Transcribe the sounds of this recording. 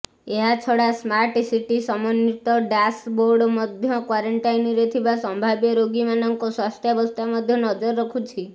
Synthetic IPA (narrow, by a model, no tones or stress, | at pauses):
eɦat͡ʃʰɔɽasmaɾʈsiʈisɔmɔnit̪ɔɖasboɾɖmɔd̪ʱjɔkwaɾɔɳʈajnɾet̪ʰibasɔmbʱabjeɾoɡimanɔŋkoswast̪ʰjɔbɔst̪amɔd̪ʱjɔnɔd͡ʒɔɾːɔkʰut͡ʃʰi